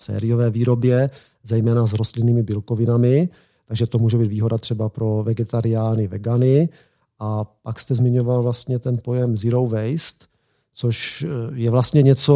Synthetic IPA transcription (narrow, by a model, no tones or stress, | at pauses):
sɛ̰ːɾɪjovɛːviːɾo̞bjɛ | zɛjmɛːnazɾost̪lɪniːmɪbɪlkovɪnamɪ | t̪aɡʒɛt̪omuːʒɛbiːt̪viːɦo̞dat̪r̝̥ɛbapɾo̞vɛɡɛt̪aɾɪjaːnɪvɛɡanɪ | ʔapakst̪ɛzmɪɲo̞valvlast̪ɲɛt̪ɛnpo̞jɛmzɪɾowvɛjst̪ | t͡soʃjɛvlast̪ɲɛɲɛt͡so